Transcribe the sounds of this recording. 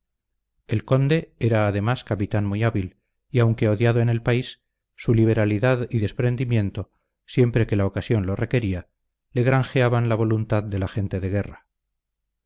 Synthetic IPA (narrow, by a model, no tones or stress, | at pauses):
elko̞nd̪e̞e̞ɾaːðe̞maskapit̪anmuijaβil | iawŋke̞o̞ðjaðo̞ene̞lpaisː | uliβ̞e̞ɾaliðaðiðe̞spɾe̞nd̪imjẽ̞nt̪o̞ | sje̞mpɾe̞ke̞lao̞kasjo̞nlo̞reke̞ɾia | le̞ɣɾaŋxeaβanlaβ̞o̞lunt̪aððe̞laxe̞nt̪e̞ðeɣ̞e̞ra